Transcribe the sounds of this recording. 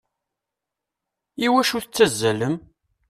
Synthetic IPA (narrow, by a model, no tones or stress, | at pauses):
iwæʃuθət͡sːæzːæləm